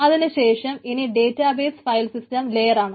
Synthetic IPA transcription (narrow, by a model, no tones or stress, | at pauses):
ɐðinɨɕe̞ːʂɐminiɖe̞ːtːaːbeːsfɐjlsistɐmlejɐɾaːɳɨ